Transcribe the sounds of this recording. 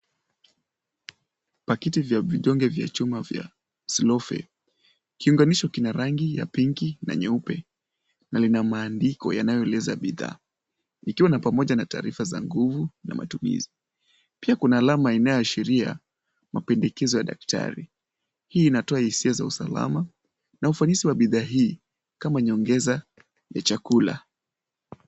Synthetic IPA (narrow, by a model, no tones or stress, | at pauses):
pakitivjaviʄɔŋɡɛvja̰t͡ʃumavja̰ | slɔfɛ̰ | kiuŋɡaniʃɔkinaɾaŋɡija̰piŋkina̰ɲɛupɛ | nalinamaːndikɔ̰janajɔɛlɛzaɓiða̰ː | ikiwanapamɔʄanata̰ːɾifaza̰ŋɡuvuna̰ma̰tumḭzi | piakunaːlamainajɔaʃiɾia̰ | mapɛndɛkɛzɔjaɗa̰k̚tʰa̰ɾi | hiːnatɔahisiazausala̰ma | naufanisiwaɓiðaːɦiː | kamaɲɔŋɡɛza | ja̰t͡ʃakula̰